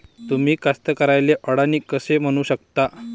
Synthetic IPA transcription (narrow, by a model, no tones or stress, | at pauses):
t̪um̤iːkast̪əkəɾajleʔəɽaniːkəsem̤əɽ̃uːɕəkt̪a